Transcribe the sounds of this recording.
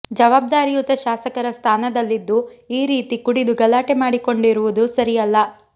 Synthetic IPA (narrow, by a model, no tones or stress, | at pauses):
d͡ʒɐʋaːb̚d̪aːɾijut̪ɐʃaːsɐkɐɾɐst̪ʰaːnɐd̪ɐlːid̪ːuiːɾiːt̪ikuɽid̪uɡɐlːaːʈemaːɽiko̞ɳɖiɾuʋud̪usɐɾijɐlːɐ